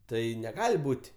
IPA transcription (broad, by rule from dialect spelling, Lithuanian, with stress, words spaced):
ˈtɐɪ nʲɛˈɡɑːlʲɪ ˈbuːtʲ